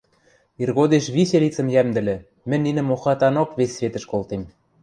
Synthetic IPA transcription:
irɣod̪eʃβiɕelʲit͡sə̆mjæmd̪ɘ̆lʲɘ̆ | mɘ̆nʲːinɘ̆moxɑt̪ɑnokβesʲːβet̪ə̆ʃkolt̪em

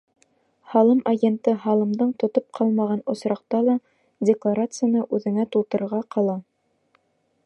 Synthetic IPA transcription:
hɑlˠɤmaɡʲent̪ɤɦɑlˠɤ̆md̪ɤɴt̪ŏt̪op̚qʰɑlˠmɑʁɑnŏsɾɑq̚t̪ɑlˠɑ | dʲɪklˠaɾat̪sɨjanɤʔʉðɘ̆ŋæt̪ulˠt̪ɤ̆ɾɤ̆ɾʁɑqʰɑlˠɑ

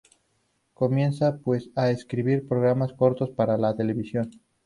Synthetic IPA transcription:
ko̞mje̞nsapwe̞saeskɾiβiɾpɾo̞ɣ̞ɾamasko̞ɾt̪o̞spaɾalat̪e̞le̞βisjo̞n

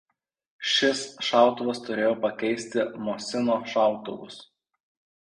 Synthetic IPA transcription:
ʃʲɪsʃɑˑʊt̪ʊʋɐst̪ʊɾʲeːjoːpɐkʲɛɪsʲt̪ʲɪmoːsʲɪnoːʃɑˑʊt̪ʊʋʊ̰s

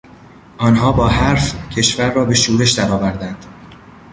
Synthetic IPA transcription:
ʔɒːnɦɒːbɒːɦæɾfcʰe̞ʃvæɾːɒːbe̞ʃuːɾe̞ʃd̪æɾɒːvæɾd̪ænd̪̥

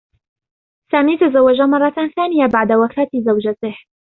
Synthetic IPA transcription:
saːmiːt̪azɐwɐʒamɑrˤːɑt̪aːnθaːnijabaʕd̪awɐkʰaːt̪izɐwd͡ʒɐt̪eh

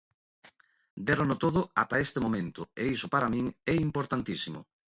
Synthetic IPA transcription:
d̪eɾonot̪oðʊa̰t̪aest̪emomẽnt̪ʊeisʊpaɾamĩŋɛimpoɾt̪ant̪isimʊ̰

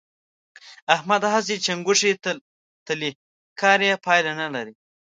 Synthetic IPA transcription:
ahmad̪ɦas̬it͡ʃaŋɡʊʂi | t̪əli | kʰɑːɾjepʰɑjlanalaɾi

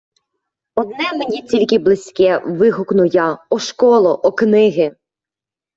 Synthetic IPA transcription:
ɔd̪̚nɛmenʲit͡sʲilʲkɪblˠɪsʲkɛʋɪɦʊknʊjɑɔʃkɔlˠɔʔɔknɪɦɪ

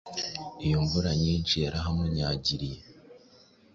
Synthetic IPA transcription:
ijoɱvuɾaɲiːnt͡ʃijaɾʔaɦameɲaːɟiɾije

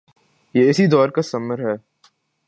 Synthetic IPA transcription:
jeːɪsid̪ɔːɾkasɐməɾɦɛː

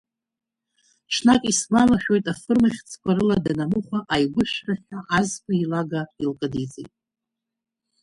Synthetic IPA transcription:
ʈ͡ʂʰnakʼisɡʷamaχʲᶣo̞jtʼafɨrmaχʲt͡sʰkʷʰaɾɨladanamɨχʷaʔajɡʷʊʃᶣraħʲᶣaʔazkʷʰʼailaɡailkʼɨdit͡sʼḛjtʼ

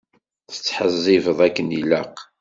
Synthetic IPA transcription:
θə̥t͡sːħəzˤːɪvəðˤækːəniləq

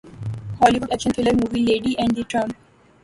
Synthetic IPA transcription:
hɔːliʋʊɖækʃə̃nfɪləɾmuːʋileːɖiʔɛ̃ɳɖd̪iʈɾʌ̃m

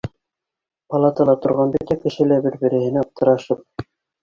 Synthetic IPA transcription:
pɑlˠɑt̪ɑlˠɑt̪ŏɾʁɑnbɘt̪ækɘ̆ʃɘ̆læbɘɾbɘ̆ɾɘ̆hɘ̆næɑp̚t̪ɤ̆ɾɑʃɤp̚

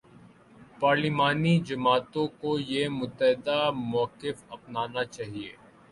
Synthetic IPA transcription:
paːɾlɪmaːnid͡ʒɐmaːt̪õkojemʊt̪ːəɦɪd̪amɔːqɪfɐpnaːnat͡ʃaːɦiḛː

